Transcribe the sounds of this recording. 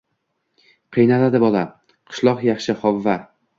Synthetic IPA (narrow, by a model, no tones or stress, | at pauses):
qʰɨjnalad̪ɪbɒlˠa | qʰɨ̥ʃlˠɒqjɑχʃɪχɒvːa